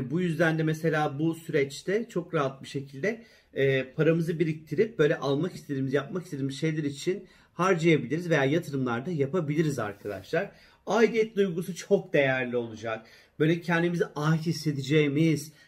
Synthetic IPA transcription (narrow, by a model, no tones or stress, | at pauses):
bujyzd̪ænd̪ɛmese̞lʲaːbusyɾɛt͡ʃt̪ʰɛt͡ʃʰo̞kɾaɦat̪̚biʃe̞cʰilʲd̪ɛ | ɛːpʰaɾamɯzɯbiɾic̚t̪ʰiɾip̚bø̞jlʲɛʔalˠmakist̪ʰed̪imizjap̚makist̪ed̪imizʃe̞jlʲɛɾit͡ʃʰin | haɾd͡ʒajabilʲiɾizve̞jaːjat̪ʰɯɾɯmlˠaɾd̪ajapabilʲiɾiza̰ɾkʰad̪a̰ʃlˠaɾ | aid̪ʲiet̪iujɡusut͡ʃʰo̞k̚d̪e̞jæɾlʲio̞lˠud͡ʒak̚ | b̥ø̞jlʲɛcʰɛnd̪imiziʔahise̞d̪id͡ʒɛjmiz̥